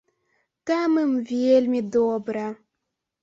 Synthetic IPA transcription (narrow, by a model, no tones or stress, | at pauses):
t̪amɨmvʲelʲmʲed̪obɾə